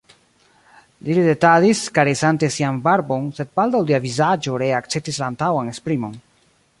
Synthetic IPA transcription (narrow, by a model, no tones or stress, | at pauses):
lilide̞tadiskaɾesante̞sianbaɾbo̞nse̞d̚baldawdeavizad͡ʒo̞ɾe̞ak̚t͡se̞p̚tislaːntawanespɾimo̞n